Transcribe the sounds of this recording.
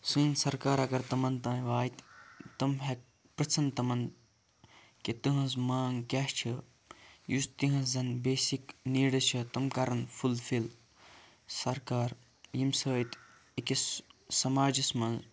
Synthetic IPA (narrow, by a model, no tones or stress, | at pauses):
sɨ̃ːnsɐɾkaːɾɐɡɐɾt̪ɐmɐnt̪ãːĩʋaːjt̪t̪ɐmɦek̚ | pɾɐt͡sʰɐnt̪ɐmɐn | ket̪ɐɦɐ̃smaːŋɡkʲaʃt͡ʃʰɐ | just̪iɦɐ̃szɐnbeːsikniːɽɐt͡ʃʰɐt̪ɐmkaɾɐnfʰulfil | sɐɾkaːɾ | jimsəːjt̪ | ikissɐmaːd͡ʒɐsmɐn